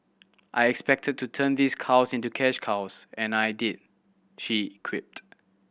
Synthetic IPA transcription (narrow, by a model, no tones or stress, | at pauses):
ʔajɛkspɛk̚tʰəd̚tːutʰə̃nd̪iskʰaʊsĩntukʰɛʃkʰaʊsɛ̃najdɪd̚ | ʃiikʰwɪp̚t